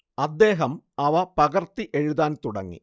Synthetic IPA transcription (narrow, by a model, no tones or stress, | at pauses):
ɐd̪ːe̞ːɦɐmɐʋɐpɐɣɐrt̪ːiʔe̞ɻuðaːnt̪uɽɐ̰ŋːḭ